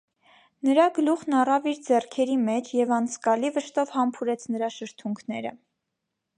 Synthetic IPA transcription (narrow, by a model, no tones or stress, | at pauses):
nəɾɑɡəluχnɑrɑviɾd͡zɛrkʰɛɾimɛt͡ʃʰjɛvɑnt͡sʰkɑlivəʃt̪ɔvhɑmpʰuɾɛt͡sʰnəɾɑʃəɾt̪ʰuŋkʰnɛɾə̰